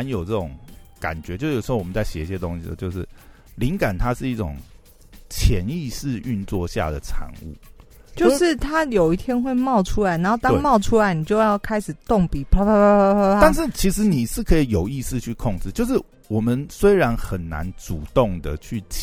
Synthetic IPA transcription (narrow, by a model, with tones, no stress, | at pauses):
njo˨˩ʊʈ͡ʂə˥˩ʈ͡ʂʊ˨˩˦ŋka̰˨˩nt͡ɕɥɛ˧˦t͡ɕjj̩˨˩˧ʊwmə˦t͡sa˥˩ɪɕjɛ̰˨˩i˥˩ɕjɛ˧t̪o˦ŋɕi˧d̪ə̰˨˩t͡ɕjo˥˧ʊʂɻ̩˥˩ | li˧˦ŋka˨˩nt̪ʰa˦˥ʂɻ̩˥˧i˥˩ʈ͡ʂoʊ̰˨˩ŋ | t͡ɕʰjɛ˧˦ni˥˧ʂɻ̩˥˧y˥˧nt͡swɔ˥˨ɕja̰˥˩d̪ə̰˩ʈ͡ʂʰa̰˧˥ŋṵ˥˩ | t͡ɕjo˥˧˥ʊʂɻ̩˥˨t̪ʰa˦jo˨˩ʊi˥˩t̪ʰjɛ˥nxwe˥˧ɪmɑ˥˨ʊʈ͡ʂʰu˥la˨˧˦ɪna˧˦nxo˥˩t̪ɑ˥ŋmɑ˥˩ʊʈ͡ʂʰu˥la˧˦ɪni˨˩t͡ɕjo˥˧ʊjɑ˥˩ʊkʰa˥ɪʂɻ̩˨˩t̪o˥˨ŋpi˨˩pʰa˥a˥˧nʂ̬ɻ̩˥˩t͡ɕʰi˧˥ʂɻ̩˧˦ni˨˩ʂɻ̩˥˩kʰɤ˧˥i˨˩jo˨˩ʊi˥˧sɹ̩˥˧t͡ɕʰy˥˧kʰo˥˧ŋʈ͡ʂɻ̩˥˧t͡ɕjo˥˧ʊʂ̬ɻ̩˥˩ | wɔ˨˩mə˦nswe˥ɪɻa˧˦nxə˨˩nna̰˧˦nʈ͡ʂu˨˩t̪o˥˩ŋd̪ə˩t͡ɕʰy˥˩t͡ɕ